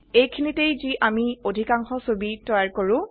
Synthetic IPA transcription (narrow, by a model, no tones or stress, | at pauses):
ejkʰinitejziʔamiodʱikaŋxɔsobitɔjaɹkoɹʊ̃